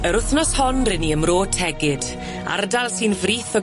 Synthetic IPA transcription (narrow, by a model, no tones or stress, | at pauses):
əɾʊθnɔshɔnrɪniəmroːtʰɛɡɪd̥ | a̰rdalˠsinvriːθɔ